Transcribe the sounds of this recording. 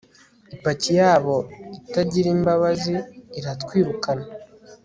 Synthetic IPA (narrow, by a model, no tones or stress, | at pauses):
ipacijaːβo̞itaɟiɾiːmbaβaziːɾatkwiːɾukana